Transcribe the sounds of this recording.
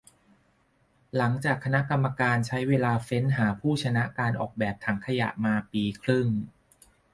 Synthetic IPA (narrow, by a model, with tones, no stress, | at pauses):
la˩˦ŋt͡ɕaː˨˩kʰːa˧na˦˥ʔka˧mːa˧kaː˧nt͡ɕʰa˦˥jweː˧laː˧fe˦˥nɦaː˩˦pʰuː˥˩t͡ɕʰa˧na˦˥ʔkaː˧nʔɔ̰ː˨˩k̚bɛː˨˩p̚t̪ʰa˩˦ŋkʰa˧ja̰˨˩ʔmaː˧piː˧kʰɾɯ˥˩ŋ